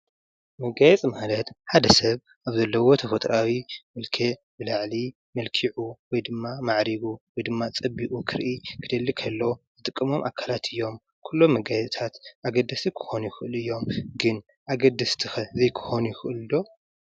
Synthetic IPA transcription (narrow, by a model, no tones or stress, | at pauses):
mɐɡajɛt͡sʼmalɐt̪ħad̪ɐsɐβ | ʔaβzɐlːɐwo̞t̪ʰɐfɐt̪ʼɾawimɨlkʰe | bɨlaʕli | mɐlkʰiʕuwɔjd̪ɨmːamaʕɾiɡuwɔjd̪ɨmːat͡sʼɐbːiʔukʰɨɾʔikʰɨd̪̥ɐlːikʰɐlːozɨt̪ʼɨkʼːɨmo̞mʔa̰kʰalat̪ʰɨjːo̞m | kʰulːo̞mːɐɡajɛt͡sʼt̪ʰat̪ʔaɡɐd̪ːɐsikʰɨ̥xo̞nujɪxɨʔɨlɨjːo̞mɡɨn | ʔaɡɐd̪ɐst̪ʰɨxɐzejkʰɨ̥xo̞nujɪxɨʔɨllo̞